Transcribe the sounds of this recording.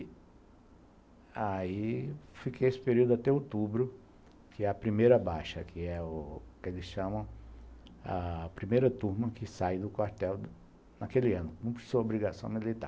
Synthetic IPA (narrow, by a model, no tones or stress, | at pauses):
aifikejesɪ̥peɾiud̪ʊat̪ɛowt̪ubɾʊ | kɪɛɐpɾimejɾɐbaʃɐkʰɪɛʊkelɪsʃɐ̃mɐ̃w̃ | ɐ̰pɾimejɾɐt̪uɾmɐkɪsajd̪ʊkwaɾt̪ɛw | nakelɪɐ̃nʊkõpsuɐobɾiɡasɐ̃w̃milit̪a̰ɾ